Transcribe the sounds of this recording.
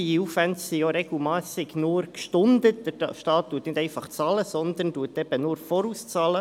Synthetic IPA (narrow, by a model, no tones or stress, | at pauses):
iufvænssioɾɛɡl̩maːsɪɡnuɾkʃtʊndətd̥əɾʃtɑːt̚d̥uətnɪdɛɪfɑχt͡sɑːləsɔnd̪ənd̥uətɛb̥ənuːɾfɔɾuːst͡sɑːlə